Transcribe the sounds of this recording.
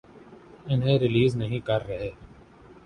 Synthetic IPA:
ɪnɦẽɾɪliːznɐɦĩkɐɾːɐɦeː

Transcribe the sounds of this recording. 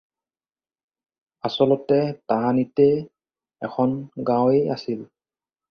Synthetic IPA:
asɔlɔtɛtaɦanitɛ | ɛkʰɔnɡãweja̰sil

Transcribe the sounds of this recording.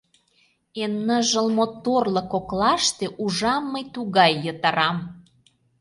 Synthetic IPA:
enːəʒə̆lmot̪orlɤ̆koklɑʃt̪eʔuʒɑmːəjt̪uɣɑjːət̪ɑɾɑm

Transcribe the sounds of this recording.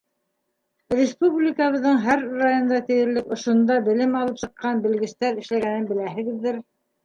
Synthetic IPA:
rʲɪspublʲikəβɤ̆ðːɤɴɦæɾrajond̪ɑt̪ɘ̆jɘ̆ɾlɘkŏʃŏnd̪ɑbɘ̆lɘmɑlˠɤpsɤ̆qːɑnbɘ̆lɡɘ̆st̪æɾɘ̆ʃlæɣænɘnbɘ̆læɦɘ̆ɡɘ̆ðːɘɾ

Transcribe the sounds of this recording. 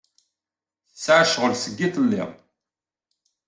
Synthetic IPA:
θət͡sːʕaʃʁəlsəɡːiθəlːɪ̰ʁ

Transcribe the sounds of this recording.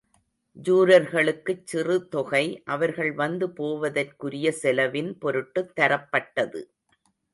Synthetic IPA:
d͡ʒuːɾɐɾɣɐɭɯkːɯt͡ʃːɪrɯt̪ɔɣɐɪʔɐʋɐɾɣɐɭʋɐnd̪ɯpoːʋɐðɐrkʊɾɪjɐsɛlɐʋɪnpɔɾɯʈːɯt̪ːɐɾɐpːɐʈːɐðɯ̰

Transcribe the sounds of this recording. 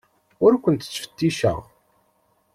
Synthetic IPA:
ʊɾkʷːənt̪ə̥t͡sːfə̥t̪ːiʃə̰ʁ

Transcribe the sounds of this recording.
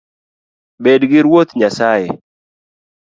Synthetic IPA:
bedɡɪɾwot̪ɲasajɛ

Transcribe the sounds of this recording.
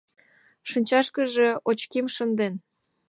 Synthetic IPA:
ʃənʲt͡ɕɑʃkəʒe̽ot͡ɕkimʃənd̪en

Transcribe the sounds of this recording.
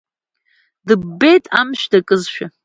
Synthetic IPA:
dɨːe̞jtʼa̰mʃdakʼɨzʃᶣa

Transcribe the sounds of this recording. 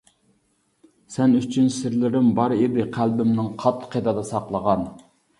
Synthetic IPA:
sɛnyt͡ʃʰynsɪɾlɪɾɪmbɑɾed̪ɪqʰælbɪmnɪŋqʰɑt̪ʰːqʰːed̪ɑd̪ɑsɑqlˠəʁɑn

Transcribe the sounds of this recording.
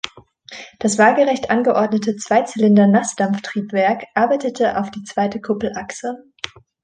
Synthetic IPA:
d̥asv̥aːɡəʁɛçtʔanɡəʔɔɐdnətʰət͡sv̥aɪt͡sɪlɪndɐnasd̥amftʁ̥iːpv̥ɛɐkʔaɐbaɪtətʰəʔa̰ʊfd̥iːt͡sv̥aɪtəkʰʊpl̩ʔaksə

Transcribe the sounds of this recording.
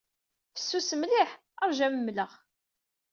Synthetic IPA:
fə̥sːusəmliħ | əɾˤʒæməmːləʁ

